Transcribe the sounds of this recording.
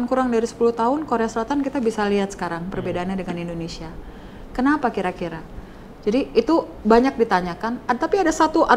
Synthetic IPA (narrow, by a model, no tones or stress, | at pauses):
nkuɾaŋdaɾisə̥puluht̪aɦʊnkoɾeasəlat̪ankit̪abisaliɦat̪̚sə̥kaɾaŋpərbedaːnɲadəŋanindonesia | kənapakiɾakiɾa | d͡ʒadiːt̪ubaɲak̚dit̪aɲakant̪apiadasat̪uʔa